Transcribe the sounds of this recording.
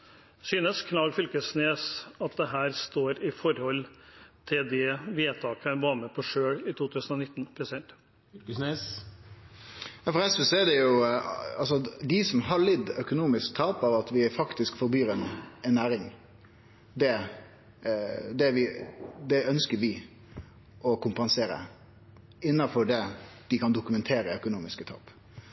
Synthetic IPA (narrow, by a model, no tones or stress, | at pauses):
syːnəskʰnɑːɡfʏlkəsneːsɑt̪̚d̪ɛɦæːɾst̪oːɾɪfɔɾhɔlːt̪ʰɪld̪ɛʋɪeːt̪ʰɑːkæɾʋɑːɾməpʰɔʂøːɽɪt̪ʰuːt̪ʰʉːsən̩ɔnɪt̪ːnpʰɾɛsɪd̪ɛnt̪ː | jɑːfɔɾɛsʋəsɔɛd̪ɛjʊɑlsɔd̪ɪsɔmɦɑɭɪd̪ːœkʊnuːmɪskt̪ʰɑːpɑʋɑt̪ʋɪfɑkt̪ɪskfɔɾbyːɾɛnɛnːæːɾɪŋ | d̪ɛ | d̪ɛʋɪd̪ɛœnskəɾʋɪ | ɔkʰʊmpɑnseːɾə̰ | ɪnːɑfɔɖɛd̪̥ɪkʰɑnd̪ʊkʉmɛnt̪ʰeːɾəœkʊnuːmɪskət̪ʰɑ̰ːp